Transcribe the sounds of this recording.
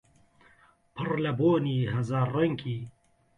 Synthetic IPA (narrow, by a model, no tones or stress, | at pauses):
pʰɨrlɐboːniːɦɐzaːrɐŋkʰiː